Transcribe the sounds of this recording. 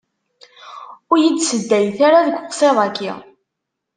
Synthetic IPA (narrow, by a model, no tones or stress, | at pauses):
ʊɾjid̪səd̪ːæjθaɾaðəɡʷqsˤeðˤɑkːi